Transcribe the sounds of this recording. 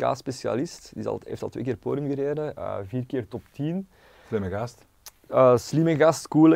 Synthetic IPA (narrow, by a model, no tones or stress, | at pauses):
ka̰ːspesja̰lɪstdɪzɑ̰lˠḛːftɑlˠtweːkɪːrpoːdjəmɣəɾeːdəə̰ːviːrkɪːrtɔptin | slɪməɣɑst | əːslɪməɣɑstkuːlə